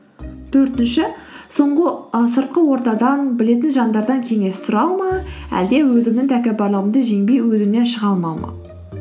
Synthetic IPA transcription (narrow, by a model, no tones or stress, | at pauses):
t̪ʰɵɾt̪ɪnʃɪ | so̞ɴʁəsəɾt̪̚qəwo̞ɾt̪ɑd̪ɑnbɪle̞t̪̬ɪnʒɑnd̪ɑɾd̪ɑŋkʲʰe̞ŋe̞st̪ʰʊɾɑlˠməæ̰ld̪e̞wɵzɪmnɪŋt̪ʰækʲebɑɾlˠɑwənd̪əʒe̞ŋbe̞jwɵzɪmne̞nʃəʁɑlˠmɑmɑ̰